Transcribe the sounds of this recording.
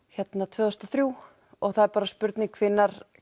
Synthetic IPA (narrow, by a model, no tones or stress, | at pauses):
çɛt̪nat̪ʰvœːðɔst̪aθɾjuː | ɔɣθaðɛɾpaːɾaspʏɾt̪nɪŋkʰvɪnːaɾ̥